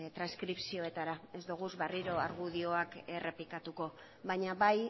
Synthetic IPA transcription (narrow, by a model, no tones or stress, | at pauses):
t̪ɾanskɾipsio̞e̞t̪aɾae̞zd̪uɣ̞uzβeriɾo̞aɾɣuðio̞akere̞plikat̪uko̞ | βaɲaβaj